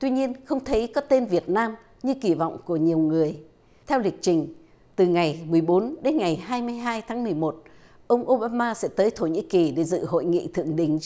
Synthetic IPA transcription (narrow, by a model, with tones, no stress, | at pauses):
t̪wi˧ɲi˧ənxə˧wŋ͡mt̪ʰə˨˦jkɔ˨˦t̪e˧nvi˨˩ət̚naː˧m | ɲɨ˧ki˧˩vɔ̰˧˨wŋ͡mku˧˩əɲi˨˩əwŋɨ˨˩əj | t̪ʰɛ˧wlï˨˩k̟̚t͡ɕï˨˩ŋ̟ | t̪ɨ˨˩ŋa˨˩jmɨ˨˩əjɓo˨˦nɗe˨˦nŋa˨˩jɦaː˧jmɨ˧əjɦaː˧jt̪ʰaː˨˦ŋmɨ˨˩əjmo˨˩t̚ | ʔə˧wŋ͡mʔo˧ɓaː˧maː˧sɛ̰˧˥t̪əː˨˦jt̪ʰo˧˩ɲḭ˧˥ki˨˩ɗe˧˩zɨ̰˧˨ɦo̰˧˨jŋḭ˧˨t̪ʰɨ̰˧˨əŋɗḭ̈˧˩ŋ̟